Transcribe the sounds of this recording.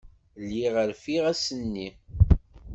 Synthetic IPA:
lːiʁəɾfiʁæsənːi

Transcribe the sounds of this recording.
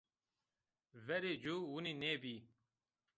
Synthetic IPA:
vɛɾed͡ʒuwunineːbiː

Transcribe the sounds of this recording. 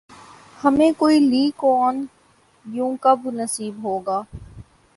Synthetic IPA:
hɐmẽːkoːiliːkɔːn | jũːkɐbnəsiːbɦoːɡaː

